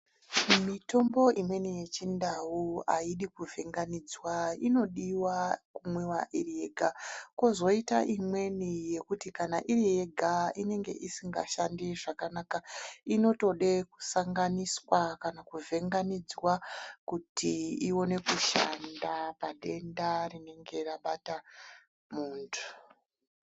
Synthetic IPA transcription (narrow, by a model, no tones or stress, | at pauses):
mito̞mbo̞imwe̞nije̞t͡ʃindawuaiɗikuvʱe̞ŋɡanid͡zwaino̞ɗiwakumwewaʔirije̞ɡʱakozo̞ita̰ʔimwe̞nije̞kutikanaʔirije̞ɡʱaine̞ŋɡe̞̰ʔisiŋɡa̰ʃandiʐakanaːkaino̞to̞ɗe̞ku̥saŋɡaniswakanakuvʱe̞ŋɡanid͡zwakutʰiiwo̞ne̞kuʃa̰ndapaɗe̞ndarine̞ŋɡe̞raɓata | muːntʰu̥